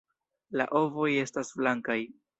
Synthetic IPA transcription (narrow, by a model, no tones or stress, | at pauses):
la̰ʔo̞vo̞je̞stasflaŋkaj